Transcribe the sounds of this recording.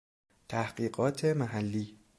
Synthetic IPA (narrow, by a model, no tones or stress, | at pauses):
t̪ʰæhɢiːɢɒːt̪ʰemæɦælːiː